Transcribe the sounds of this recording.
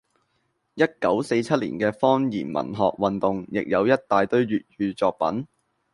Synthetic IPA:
jɐ˥t̚kɐ˨˥wse˧jt͡sʰɐ˥t̚lḭː˨˩nkɛː˧fɔː˥ŋjiː˨˩nmɐ̰˨˩nɦɔ̰ː˨k̚wɐ˨nt̪ʊ˨ŋjɪ˨k̚jɐ˨˧wjɐ˥t̚t̪aː˨jt̪ɵ˥ɥɥyː˨t̚ɥyː˧t͡sɔː˨˧k̚pɐ˨˥n

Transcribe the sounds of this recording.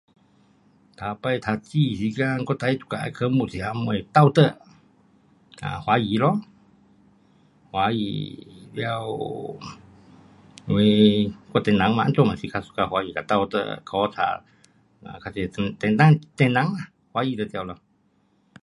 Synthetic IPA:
t̪ʰa˨˧pə˧jt̪ʰa˧t͡ɕi˧˨si˧˦ka˧ŋko˧t̪a˧jt̪u̥˧ka˧ʔkʰə˧˦mu˧˨t͡si˧˨a˧mə˧jt̪a˧˨wt̪ə˧˨ | ka̰˧˨hwa˨˦ji˨˧˦lɔ˧ | hwa˧˦jḭ˧˨lja˧w | we˧ko˧˨t̪ɛ˧˨nã˨˦ŋmã̰˧n˦to˧ma˨si˧kʰa˧su̥˧ka˧hwa˧˦ji˧˨ka˨˧˨t̪a˧wt̪ə̰˧kʰɔ˧˦t͡sʰa̰˧ | a̰˧˨kʰa˧t͡ʃi˧t̪ɛ̃˧nt̪ã˧t̪ɛ˧˨nã˨˦ŋa˧˨ | hwa˧˦ji˧˦t̪ə˧t̪ja˧wlɔ˧

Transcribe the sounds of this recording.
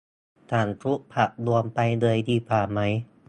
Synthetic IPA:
t̪ʰaː˧˩nt̪ɾu˦˥ʔpʰa˧˩ʔ̚lu˧əmpa˧jdɤː˧əjd̪iː˧˩paː˧˩ma˦˥j

